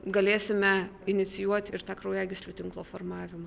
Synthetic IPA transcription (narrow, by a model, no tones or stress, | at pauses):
ɡɐlʲeːsʲɪmʲɛɪnʲɪt̪sʲɪjuɔt̪ʲɪɾt̪ɑːkɾɐʊjɛːɡʲɪsʲlʲut̪ʲɪŋklˠoːfoːrmɑːʋʲɪmɑ